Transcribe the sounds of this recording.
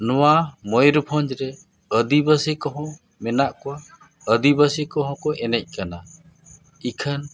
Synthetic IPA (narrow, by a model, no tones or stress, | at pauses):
nɔwamɔjɾpʰɔ̃ɲd͡ʒɾɛ | əd̪ibəsikɔɦɔ̃ | mɛnaʔkɔwa | əd̪ibəsikɔɦɔ̃kɔʔɛnɛc̚ˀkana | ikʰan